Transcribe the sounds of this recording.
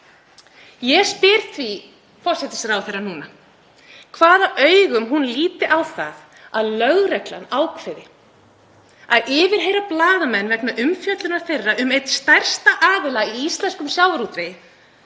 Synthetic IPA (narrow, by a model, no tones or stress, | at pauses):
jɛspɪɾ̥θʰvi | fɔr̥sɛt̪ɪ̥sɪɾawθejrːanuːna | kʰvaːðaʔœːɥɣʏmɦunliːt̪ɪʔawθað | aðlœɣɾɛkla̰naːwkʰvɛðɪ | aðʔɪːvɪɾ̥ɦejɾaplaːðamɛnːvɛknaʔʏmfjœt̪lʏnaɾ̥θejrːaʔʏmejt̪st̪ajr̥st̪aʔaːðɪlaiist̪lɛnskʏmsjaːwɾuːt̪ɾejɪ